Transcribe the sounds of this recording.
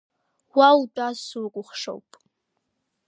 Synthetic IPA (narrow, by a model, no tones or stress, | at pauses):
wawtʼasukʷʼʊχʂo̰wpʼ